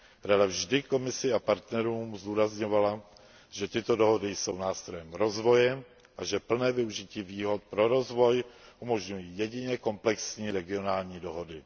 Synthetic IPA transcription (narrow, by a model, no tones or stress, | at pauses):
ɾadavʒdɪko̞mɪsɪapaɾt̪nɛɾuːmzduːɾazɲo̞vala | ʒ̥ɛt̪ɪt̪o̞do̞ɦo̞dɪjso̞wnaːst̪ɾojɛmɾo̞zvo̞jɛ | ʔaʒɛpl̩nɛːvɪuʒɪciːviːɦo̞t̪̚pɾo̞ɾo̞zvo̞jʔumo̞ʒɲujiːjɛɟɪɲɛko̞mplɛksɲiːɾɛɡɪo̞naːlɲiːdo̞ɦo̞dɪ